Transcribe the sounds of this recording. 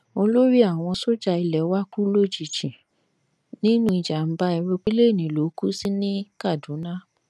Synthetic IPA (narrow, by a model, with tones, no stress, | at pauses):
o˧lo˦ɾi˦a˦˨w̃ɔ̃˧so˦d͡ʒa˧i˧lɛ˨˦wa˦ku˦lo˦d͡ʒi˨t͡ʃĩ˨ | nĩ˦nũ˦i˨d͡ʒa˨m̩˦ba˦i˧ɾo˧k͡pi˦le˦˨nĩ˨lo˨˦ku˦si˦nĩ˦ka˦˨dũ˨˦nã˦